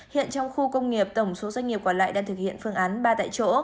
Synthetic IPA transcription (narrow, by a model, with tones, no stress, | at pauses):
hḭ˧˨ənt͡ɕɔ˧wŋ͡mxu˧kə˧wŋ͡mŋi˨˩əp̚t̪ə˧˩wŋ͡mso˨˦zwa˧ŋ̟ŋi˨˩pkɔ˧˩nla̰ː˧˨jɗaː˧ŋt̪ɨ˨˩k̚hḭ˧˨ənfɨ˧əŋʔaː˨˦nɓaː˧t̪a̰ː˧˨jt͡ɕo̰˧˥